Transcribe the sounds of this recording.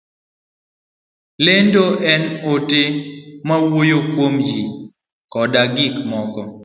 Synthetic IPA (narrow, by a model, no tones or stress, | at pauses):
lendoʔɛnotemawojokwomji | kɔdaɡikmɔkɔ